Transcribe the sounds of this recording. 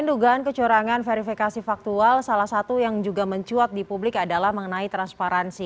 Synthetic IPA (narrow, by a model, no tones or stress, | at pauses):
ənduɡaːnkət͡ʃuɾaŋanfeɾifikasifak̚t̪ualsalahsat̪ujaŋd͡ʒuɡaməɲt͡ʃuɔt̪̚dipublɪkadalahməŋənait̪ɾanspaɾansi